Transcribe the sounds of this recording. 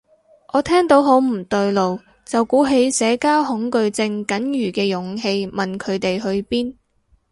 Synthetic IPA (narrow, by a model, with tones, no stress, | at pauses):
ʔɔː˨˧t̪ʰɛː˥ŋt̪o˨˥wɦo˨˥wm̩˨˩t̪ɵ˧ɥlo˨w | t͡sɐ˨wkuː˨˥ɦe˨˥jsɛː˨˧kaː˥whʊ˨˥ŋkɵ˧ɥt͡sɪ˧ŋkɐ˨˥njyː˨˩kɛː˧jʊ˨˥ŋɦe˧jmɐ˨nkʰɵ˨˧t̪e˨jhɵ˧ɥpiː˥n